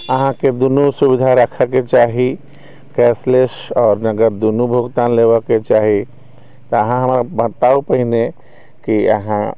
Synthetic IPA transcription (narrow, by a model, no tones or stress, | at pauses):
ɐɦãked̪ʊnusʊbɪd̪ʱaɾəkʰəket͡ʃaːɦi | kɛːsleʃɔːɾnɐɡəɾd̪unubʱʊɡt̪aːnleːʋəket͡ʃaːɦi | t̪oɐɦãɦɐmɾabə̃t̪aːupɐɦɪne | kiɐ̰ɦã